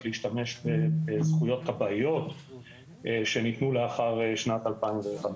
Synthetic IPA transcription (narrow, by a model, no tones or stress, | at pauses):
liiʃtame̞ʃbebezχujo̞t̪kabaijo̞t | eʃe̞nit̪nuleaχaʁeʃnat̪alpaimveχam